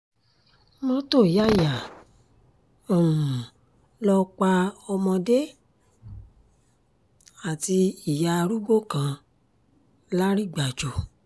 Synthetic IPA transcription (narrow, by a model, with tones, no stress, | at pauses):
mɔ̃˧˦to˦˨ja˦˨ja˨ | o˨ũ˨ | lɔ˧k͡pa˧ɔ˧mɔ̃˧de˦ | a˨ti˧i˨ja˨˧ɾu˦ɡ͡bo˦˨kã˧ | la˦ɾi˦˨ɡ͡ba˨d͡ʒo˨